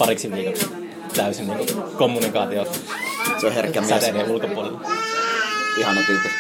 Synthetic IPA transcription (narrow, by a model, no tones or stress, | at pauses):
pɑriksiʋiːkoks | t̪æˑysinniːŋkukomːunikɑːt̪io | soherkːˑæmiæsniulkopuolelː | ihɑnɑkylt̪ːu